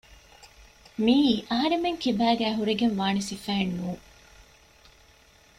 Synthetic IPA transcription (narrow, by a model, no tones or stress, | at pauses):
miːʔɐɦɐɾemeŋkibæːɡæːɦuɾeɡenʋaːnisifæːenːuː